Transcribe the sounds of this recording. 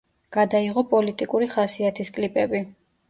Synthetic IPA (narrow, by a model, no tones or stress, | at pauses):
ɡ̥ad̪aiʁɔpʼɔlit̪ʼikʼuɾiχasiat̪ʰiskʼlipʼɛbi